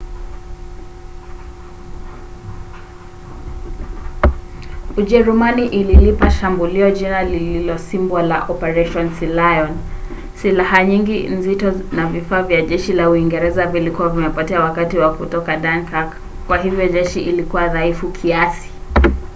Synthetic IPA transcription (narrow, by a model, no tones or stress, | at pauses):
uʄɛɾumaniʔililipaʃambuliɔd͡ʒinalililɔsimbwala̰ʔɔpɛɾɛʃɔnsilajɔn | silaɦaɲiŋɡinzitɔnavifaːvjaʄɛʃilauiŋɡɛɾɛzavilikuwavimɛpɔtɛawakatiwakutɔkaɗankak | kwaɦivjɔʄɛʃiʔilikuwaðaifukʰiasi̥